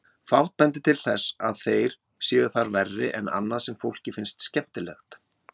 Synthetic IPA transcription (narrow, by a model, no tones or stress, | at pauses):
faw̪̥t̪̚pɛnt̪ɪt̪ʰɪlθɛsa̰ðθejɾ̥ | sjiːɣʏ̥θaɾvɛrːɪʔɛna̰nːaðsɛmfowl̥cɪfɪnst̪scɛht̪ɪlɛ̰xt̪